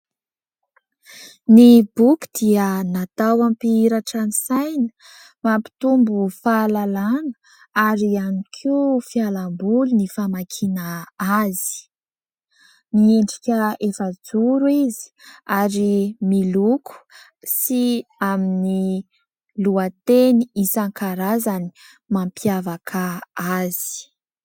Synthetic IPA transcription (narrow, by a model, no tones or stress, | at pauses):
nibuku̥d̪̥iənat̪awampiiɾaʈ͡ʂanisajnə̥ | mampi̥t̪umbufalalanə̥ | aɾianikʰifialambulunifamakʰinaazi̥ | mieɳɖ͡ʐikʲəefəd͡zuɾuizi̥aɾimilukʰu̥ | siamini | luat̪eniisaŋkaɾazani̥ | mampjavakʰaaz̥i̥